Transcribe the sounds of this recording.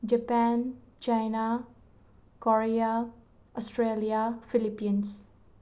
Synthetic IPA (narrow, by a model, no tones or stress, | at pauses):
d͡ʒəpɛnt͡ʃajna | kɔɾija | ɔsʈɾelijafilipːins